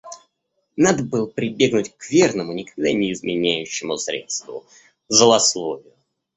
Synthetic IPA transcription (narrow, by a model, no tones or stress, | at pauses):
nad̪əbɨlˠpɾʲɪbʲe̞ɡnʊtʲkvʲernəmʊnʲɪkɐɡ̚d̪anʲɪɪzmʲɪnʲæjʉɕːɪmʊsɾʲḛt̪st̪vʊ̰ | zəlˠɐslˠovʲɪjʊ